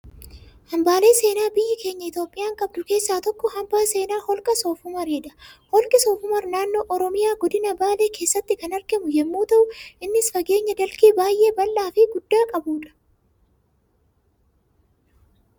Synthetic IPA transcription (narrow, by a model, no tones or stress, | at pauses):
hɐmbaːle̞ːse̞ːnaːbɪjːɪke̞ːɲːɐɪt̪joːpʼːɪjaːŋkʼɐb̚d̪ʊke̞ːsːaːt̪ɔkːɔhɐmbaːse̞ːnaːhɔlkʼɐsoːfʊmɐɾeːd̪ɐhɔlkʼɪsɔːfʊmɐɾnaːnːoːʔɔɾɔmɪjaːɡɔd̪ɪnɐbaːle̞ːkʰeːsːɐt̪ːɪkɐnɐɾɡɪmʊjɛmːuːt̪ɐʔʊʔɪnːɪsfɐɡe̞ːɲːɐd̪ɐlkiːbaːjʔe̞ːbɐlːaːfɪɡʊd̪ːaːkʼɐbuːᶑɐ̥